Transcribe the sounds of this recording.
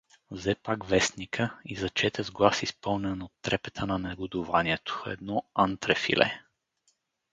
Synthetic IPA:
vzɛpaɡvɛsnikʰəizɐt͡ʃɛt̪ɛzɡlˠasispɤlˠnɛnot̪ːɾɛpɛt̪ʰənɐnɛɡʊd̪ʊvaniɛt̪o̥ɛ̰d̪nɔant̪ɾɛfḭlʔɛ̰

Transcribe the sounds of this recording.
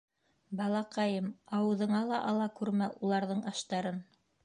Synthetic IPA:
bɑlˠɑqɑjɤmɑwɤ̆ðɤ̆ɴɑlˠɑʔɑlˠɑkʉɾmælˠulˠɑɾðɤɴɑʃt̪ɑɾɤn

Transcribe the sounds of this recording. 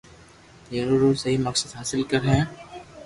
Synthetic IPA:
zɐɾuːɾusɐɦimɐksəd̪ɦaːsɪlkɐɾɦɛ̃ː

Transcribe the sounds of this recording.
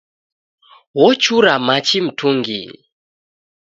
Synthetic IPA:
wɔt͡ʃuɾamat͡ʃim̩tʰuŋɡḭ

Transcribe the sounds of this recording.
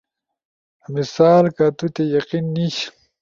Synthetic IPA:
misaːlkat̪ut̪ejɐqinːiɕ

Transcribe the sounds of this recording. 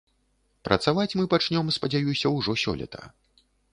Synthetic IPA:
pɾʔɐ̰t̪savat͡sʲmɨpat͡ʂnʲɔmspɐd͡zʲajusʲɐwʐɔsʲɔ̰lʲɐ̰t̪ʰɐ̰

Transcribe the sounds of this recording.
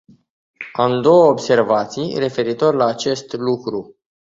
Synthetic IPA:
amd̪o̞wəobse̞rvat̪sijre̞fe̞ɾit̪o̞rlaːt͡ʃe̞st̪lukɾu

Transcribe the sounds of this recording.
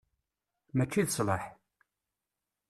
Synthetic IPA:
mæt͡ʃːiðəsˤləħ

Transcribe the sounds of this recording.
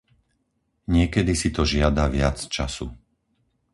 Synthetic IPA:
ɲɪɛkɛd̪isit̪ɔʒɪad̪aʋɪat͡st͡ʃa̰sṵ

